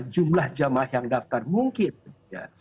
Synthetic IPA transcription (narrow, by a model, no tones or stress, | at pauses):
d͡ʒumlahd͡ʒamahjaŋdaft̪armuŋkɪnja̰